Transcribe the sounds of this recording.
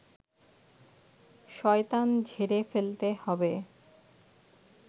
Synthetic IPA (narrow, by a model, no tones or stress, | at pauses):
ʃɔet̪and͡ʑʱeɾefelt̪ehɔbe